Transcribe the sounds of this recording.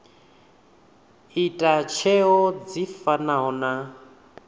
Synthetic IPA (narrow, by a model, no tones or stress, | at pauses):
itʼat͡ʃʰɛɦɔd͡zifanaɦɔna